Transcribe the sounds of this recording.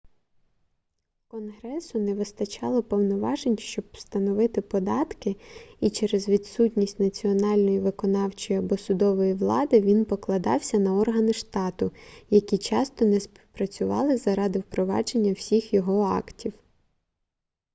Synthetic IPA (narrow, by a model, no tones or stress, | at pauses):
kɔnɦɾɛsʊnɛʋɪst̪ɐt͡ʃɑlˠɔpɔwnɔʋɑʒenʲʃt͡ʃɔbst̪ɐnɔʋɪt̪ɪpɔd̪ɑt̪kɪit͡ʃɛɾezʋʲid̪sutʲnʲisʲtʲnɐt͡sʲiɔnɑlʲnɔjiʋɪkɔnɑwt͡ʃɔjɐbɔsʊd̪ɔʋɔjiʋlˠɑd̪ɪʋʲinpɔklˠɐd̪ɑ̰wsʲɐnɐɔrɦɐnɪʃt̪ɑt̪ʊjɐkʲit͡ʃɑst̪ɔnɛspʲi̥wpɾɐt͡sʲʊʋɑ̰lˠɪzɐɾɑd̪ɪwpɾɔʋɑ̰d͡ʒe̞nʲːɐwsʲixjɔɦɔɑ̰ktʲʰiw